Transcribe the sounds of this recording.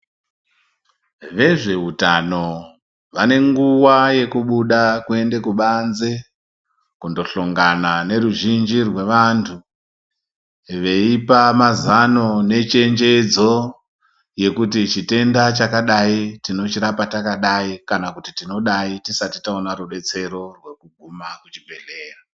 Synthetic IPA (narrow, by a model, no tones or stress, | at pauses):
ʋe̞ʐe̞ɦuta̰no̞ | ʋane̞ŋɡuwaje̞kuɓuɗakue̞nde̞kuɓanze | kundo̞ɬoŋɡanane̞ɾuʒind͡ʒirwe̞ʋantʰu | ʋe̞ipamazano̞ne̞t͡ʃe̞nd͡ʒe̞d͡zo̞ | je̞kutit͡ʃite̞ndat͡ʃakaɗaitino̞t͡ʃiɾapatakaɗaikanakutitino̞ɗaitisatitaonaɾuɓe̞t͡se̞ɾo̞rwe̞kuɡʱumakut͡ʃibʱe̞ɬe̞ːra